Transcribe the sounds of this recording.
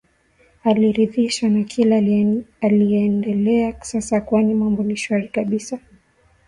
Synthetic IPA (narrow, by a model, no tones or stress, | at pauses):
aliɾiðiʃanakʰilaalijɛndɛlɛasasakwanimambɔniʃwaɾikaɓisa